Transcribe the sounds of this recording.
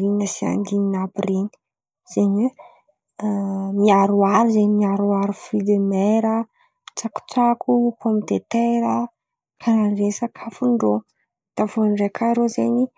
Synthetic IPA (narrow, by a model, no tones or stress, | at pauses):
iinəsia̰nd̪ininapireni̥ | z̥eɲwe | miaɾuaɾizeɲimiaɾuaɾufilemeɾə | t͡saku̥t͡sakupomit̪et̪eɾə | kʰaɾanresəkʰafuɳɖ͡ʐo | d̪̥avonɖ͡ʐekʰaɾozeɲi